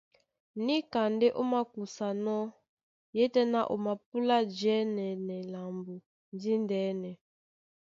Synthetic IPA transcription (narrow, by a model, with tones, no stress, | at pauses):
ni˦ka˨nde˦ʔo˦ma˦ku˨sa˨nɔ˦ | jɛ˦tɛ˦na˦ʔo˨ma˨p̚u˦la˦d͡ʒɛ˦nɛ˨nɛ˨la˨mbu˨ | ndi˦ndɛ˨˦nɛ˨